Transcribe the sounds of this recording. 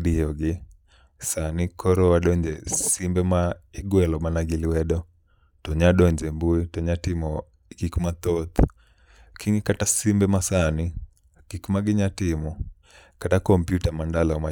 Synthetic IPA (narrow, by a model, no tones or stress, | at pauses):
ɗiɔɡi | sanikʰɔɾɔwaɗɔɲd͡ʒɛsimbɛmaiɡwɛlɔmanaɡiliwɛɗɔ | tɔɲaɗɔɲd͡ʒɛmbuitɔɲatimɔ | kikumat̪ɔt̪ | kʰiŋikatasimbɛmasani | kikumaɡiɲatimu | katakɔmpjutamandalɔma